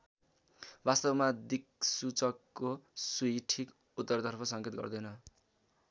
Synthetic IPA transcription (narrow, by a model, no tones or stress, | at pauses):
bast̪ʌbmad̪ik̚sut͡sʌkːosujʈʰik | ut̪ːʌrt̪ʌrpʰʌsʌŋket̪̚ɡʌ̰rd̪ʌjnʌ